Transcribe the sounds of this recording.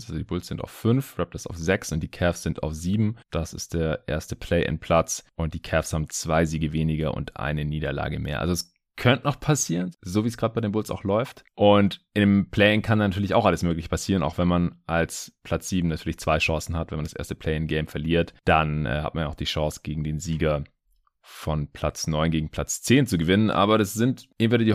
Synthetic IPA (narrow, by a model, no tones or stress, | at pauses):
ʔalzodiːbʊlsz̥ɪnta̰ʊffʏnfʁɛp̚tdasaʊfz̥ɛksʊnt̚d̥iːkʰɛfsz̥ɪnta̰ʊfz̥iːbm̩d̥asɪ̰st̚d̥eːɐʔḛːɐstəpʰl̥ɛɪʔɪ̰npʰl̥at͡sʔʊnt̚d̥iːkʰɛːfshaːbm̩t͡sv̥aɪziːɡəveːnɪɡɐʔʊ̰ntʔa̰ɪnəniːdɐla̰ːɡəmḛːɐʔa̰lzoɛs | kʰœntənɔχpʰasiːʁənzoːviːəsɡ̥ʁaːt̚əb̥aɪɾeːnbʊlsa̰ʊxlɔʏftʔʊntʔɪndəmpʰlɛːɪŋkʰananatʰyːɐlɪça̰ʊxʔaləsmøːklɪçə̥pʰasiːʁənʔa̰ʊxv̥ɛnmanʔalspʰl̥at͡sz̥iːbm̩natʰyːɐlɪçt͡sv̥aɪʃɑ̃ŋsn̩hatvɛnmandasʔḛːɐstəpʰl̥ɛɪŋɡɛɪmfɛɐliːɐtd̥anɛ̰ːha̰t̚manjaʊxd̥iːʃɑŋsɡ̥eːɡŋ̩deːnziːɡɐ | fɔnpʰl̥at͡snɔʏnɡeːɡŋ̩pʰl̥at͡st͡seːnt͡suɡəvɪnənʔa̰ːbɐdasz̥ɪntʔɪŋ̩mvɛɪçədiː